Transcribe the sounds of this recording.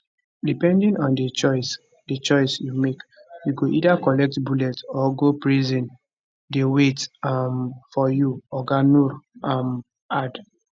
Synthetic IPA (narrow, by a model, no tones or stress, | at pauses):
dipɛ̃ndĩnɔ̃ndet͡ʃɔɪs | det͡ʃɔɪsjumek | juɡoʔidakɔlɛk̚tbulɛtɔɡopɹizĩn | dewetamfɔjuɔɡanuɾam | ad